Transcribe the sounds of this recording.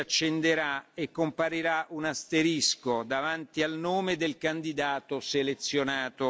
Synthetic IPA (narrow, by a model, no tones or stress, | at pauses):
at͡ʃːend̪eɾaekːompaɾiɾaunast̪eɾiskod̪avant̪ialnoːmed̪elkand̪id̪aːt̪oselet̪sːjonaːt̪o